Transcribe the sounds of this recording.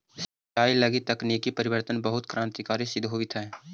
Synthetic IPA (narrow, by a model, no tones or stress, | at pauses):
sɐt͡ʃaːilɐɡit̪ɐkniːkipɐɾɪwəɾt̪ənbɐɦʊt̪kɾãːnt̪ikaːɾisɪd̪ʱɦoːit̪ʰɛː